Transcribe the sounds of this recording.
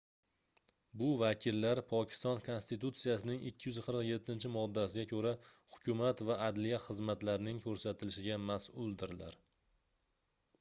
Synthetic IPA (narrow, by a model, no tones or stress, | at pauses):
bʊvakʲʰɪlːaɾpʰɒkʲʰɪ̥st̪ɒnkʰo̞nst̪it̪ut̪sijasɪnɪŋɪkʲːɪjʏzqʰɨɾɨqje̞t̪ʰːɪnt͡ʃʰɪmɒd̪ːasɪɡʲakʰɵɾahʊ̥kʲʰʊmat̪vaʔːd̪lijaχɨzmat̪laɾnɪŋkʲʰɵɾsat̪ʰɪlɪʃɪɡʲamasʊlˠd̪ɪɾla̰ɾ